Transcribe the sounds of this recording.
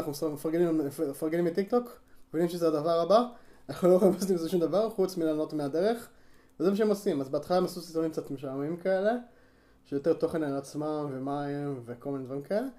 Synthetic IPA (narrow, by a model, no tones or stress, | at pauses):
naχnumesimefaʁɡenimeefaʁɡenimbet̪ik̚to̞kmevinimʃezeadavaʁabanaχnuloamast̪imzoʃumd̪avaʁχut͡smilano̞tmeadeʁe̞χ | vezemaʃ̬eemosimazbeat̪χalaemasusit̪nimk̚t͡sat̪meʃamimkae̞le̞ | ʃejot̪e̞ʁt̪o̞χe̞nalat͡smamvemaimveko̞lmined̪vaʁimkaele̞